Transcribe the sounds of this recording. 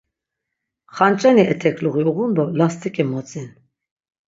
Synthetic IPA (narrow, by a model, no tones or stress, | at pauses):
χant͡ʃʼaniʔɛt̪ʰɛkʰluɣiuʁund̪ɔlast̪ʰʼikʼɛmɔt͡sʼin